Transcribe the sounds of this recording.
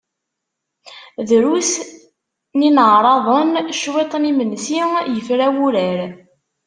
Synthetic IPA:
ðɾus | ninʕɾˤɑðˤənʃwet̪ˤnimənsijəfɾæwuɾæɾ

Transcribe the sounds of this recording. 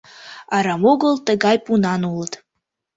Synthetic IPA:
ɑɾɑmoɣəlˠt̪əɣɑjpunɑnulˠət̪

